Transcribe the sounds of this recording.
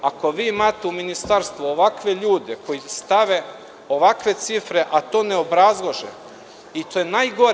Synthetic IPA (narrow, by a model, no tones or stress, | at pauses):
ako̞ʋiːimaːt̪euminist̪aɾst̪ʋuoʋakʋe̞ʎuːd̪e̞ko̞jist̪aʋe̞ | o̞ʋakʋe̞t̪sifɾe̞ʔat̪o̞ːne̞o̞bɾazlˠoʒḛ | it̪oːjenaːjɡo̞ɾ